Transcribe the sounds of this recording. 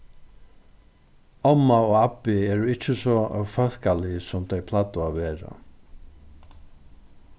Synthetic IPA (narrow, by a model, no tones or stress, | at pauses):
ɔmːaoːɣapːɪɛːɾʊɪt͡ʃːɪsɔfœl̥kalɪsʊmt̪ʰœjpʰlat̪ʊaveːɹa̰